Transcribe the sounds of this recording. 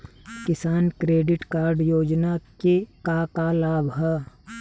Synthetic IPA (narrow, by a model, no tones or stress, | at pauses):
kɪsaːnkɾeːɖɪʈkaːɾɖjoːd͡ʒnakekakalaːbɦɛː